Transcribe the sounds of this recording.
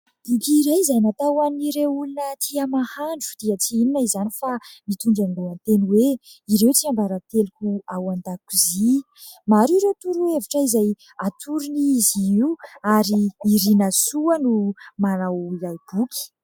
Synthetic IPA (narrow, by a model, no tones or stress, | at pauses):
ukiɾajizajnat̪awaniɾeulunət̪ʰiamahaɳɖ͡ʐu̥d̪̥iət͡siininaizanifamit̪uɳɖ͡ʐanluant̪eniweiɾewt͡siambaɾat̪elukʲuawand̪akuzi | maɾiɾot̪uɾuevaʈ͡ʂəizaj | at̪ʰuɾuniiziiwaɾiːɾinasuənumanawilajb̥ukʲi̥